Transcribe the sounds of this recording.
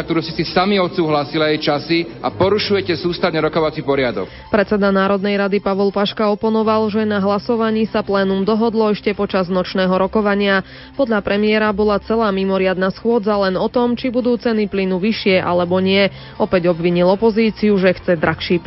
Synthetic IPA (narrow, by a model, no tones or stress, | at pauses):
k̚t̪ɔɾusisisamiɔt̪suːɦlasilaɛjt͡ʃasiapɔɾuʃujɛcɛsuːst̪avɲɛɾɔkɔʋat͡sipɔɾɪad̪ɔ̰k | pɾɛt͡sɛd̪anaːɾɔd̪nɛjɾad̪ipaʋɔlpaʃkaɔpɔnɔʋalʒɛnaɦlasɔʋaɲiːsaplɛːnumd̪ɔɦɔd̪lɔɛʃcɛpɔt͡ʃaznɔt͡ʃnɛːɦɔɾɔkɔʋaɲɪa | pɔd̪ʎapɾɛmɪɛɾabɔlat͡sɛlaːmimɔɾɪad̪nasxʊɔd͡zalɛnɔt̪ɔmt͡ʃibud̪uːt͡sɛniplinuʋiʃɪɛʔa̰lɛbɔɲɪɛ | ɔpɛɟɔbʋiɲilɔpɔziːt͡siuʒɛxt͡sɛd̪ɾaxʃiːp